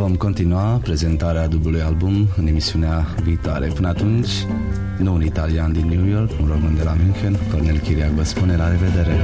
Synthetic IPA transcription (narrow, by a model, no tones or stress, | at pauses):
vo̞mko̞nt̪inuapɾe̞ze̞nt̪aɾead̪ubulujalbumɨne̞misiuneaviːt̪oa̰ɾepɨnəat̪unt͡ʃʲ | nuunit̪aliand̪inːjujo̞rkunromɨnd̪elamynxenko̞rnelkʲiɾiakvəspune̞laɾe̞ve̞d̪e̞ɾe̞